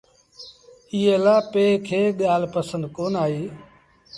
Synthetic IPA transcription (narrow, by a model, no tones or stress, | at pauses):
iɦeːlaːpeːkʰeːɠaːlpəsənd̪̚koːnaːɦiː